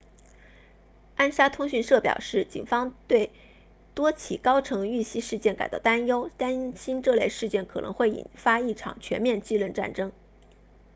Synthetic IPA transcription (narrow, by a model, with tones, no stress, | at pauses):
a˥nʂa˥t̪ʰʊ˥ŋɕy˥˧nʂɤ˥˩pjɑ̰˨˩ʊʂɻ̩˥˩t͡ɕḭ˨˩nfɑ˥ŋt̪we˥˩ɪ | t̪wɔ˥t͡ɕʰḭ˨˩kɑ˥ʊʈ͡ʂʰɤ˧˥ŋy˥˩ɕi˥ʂɻ̩˥˧t͡ɕjɛ˥˩nka˨˩ɪt̪ɑ̰˥˩ʊt̪a˥njo˥ʊt̪a˥nɕi˥nʈ͡ʂɤ˥˧le˥˧ɪʂɻ̩˥˧t͡ɕjɛ˥˩nkʰɤ˨˩nɤ˧˥ŋxwe˥˩ɪḭ˨˩nfa˥i˥˩ʈ͡ʂʰɑ̰˨˩ŋt͡ɕʰɥɛ˧˥nmjɛ˥˧nt͡ɕi˥˧lə˥˧nʈ͡ʂa̰˥˩nʈ͡ʂɤ˥ŋ